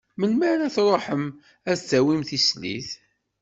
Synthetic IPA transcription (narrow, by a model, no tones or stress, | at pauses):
mənmaɾæθɾˤoħəm | æt͡sːæwimθislḭθ